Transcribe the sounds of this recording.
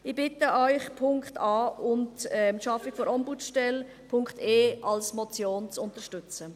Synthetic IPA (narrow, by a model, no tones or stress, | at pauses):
ɪb̥ɪtəʔœʏχpʰʊŋktɑːʊntɛʃɑfɪkfɔɾʔɔmbut͡sʃtɛl | pʰʊŋkteːɑlsmɔt͡sjoːnt͡sʊntəʃtʏt͡sə